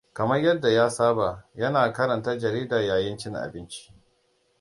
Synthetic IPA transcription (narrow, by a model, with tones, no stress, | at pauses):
kɐ˨mɐ˦rjɐ˦dːa˨jaː˦saː˦ba˨jɐ˦naː˨kɐ˦ɾɐ˨ntaː˦d͡ʒɐ˨ɾiː˦daː˨jaː˨jɪ˦nt͡ʃɪ˦ŋʔa̰˨bɪ˦nt͡ʃi̥˦ʔ